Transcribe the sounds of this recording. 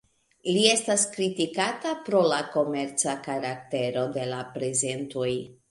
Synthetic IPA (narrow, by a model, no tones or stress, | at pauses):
lie̞staskɾitikatapɾo̞lako̞me̞ɾt͡sakaɾak̚te̞ɾo̞de̞lapɾe̞ze̞ntoj